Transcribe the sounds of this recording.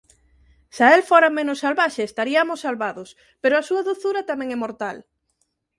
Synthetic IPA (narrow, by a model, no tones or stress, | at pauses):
saelfoɾamẽnʊsːalβaʃeːst̪aɾiamʊsːalβaðʊs | peɾoasuɐðuθuɾɐt̪amɛ̃ŋɛmoɾt̪al